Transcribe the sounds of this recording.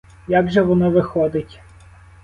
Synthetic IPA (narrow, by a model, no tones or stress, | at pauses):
jaɡʒɛʋɔnɪʋɪxɔd̪ɪtʲ